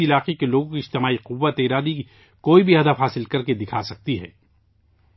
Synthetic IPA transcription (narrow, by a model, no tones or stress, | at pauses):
ɪlaːqekeloːɡõkiɪd͡ʒt̪ɪmaːiqʊʋːət̪eːɾaːd̪i | koːibʱiɦɐd̪əfɦaːsɪlkɐɾked̪ɪkʰasɐk̚t̪iɦɛ̰ː